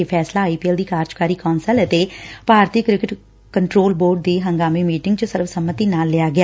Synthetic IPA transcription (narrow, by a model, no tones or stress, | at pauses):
pʰɛːslaːiːpiːəld̪iːkaːɾd͡ʒkaːɾiːkɔːnsələt̪eːpaːɾt̪iːkɾɪkɪʈ | kəɳʈɾoːlboːɾɖ̚d̪iːɦəŋɡaːmiːmiːʈɪŋɡt͡ʃəsɪɾfsəmːət̪iːnaːlːɪaːɡɪaː